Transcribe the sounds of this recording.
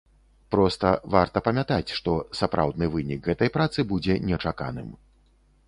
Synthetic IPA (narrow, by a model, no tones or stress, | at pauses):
pɾɔst̪ɐvart̪ɐpɐmʲat̪at͡sʲʂt̪ɔsapɾʔa̰wd̪nɨvɨnʲikɣɛt̪ɐjpɾat̪sɨbud͡zʲɛnʲɛt͡ʂaka̰nɨ̰m